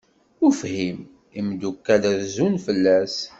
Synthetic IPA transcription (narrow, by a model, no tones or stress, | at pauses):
ʊɾfhim | imd̪ukːæləɾzunfəlːæs